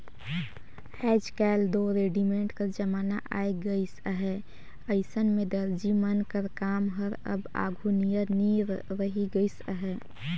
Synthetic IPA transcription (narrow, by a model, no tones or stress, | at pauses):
hɛːd͡ʒkɛːld̪oɾeːɖimẽɳʈkəɾd͡ʒəmaːna̰ʔa̰ːeɡəɪsəɦɛ | əɪsənmẽd̪əɾd͡ʒimənkəɾkaːmɦəɾə̰ba̰ːɡʱunijəniɾɾəɦiɡəɪsəɦɛ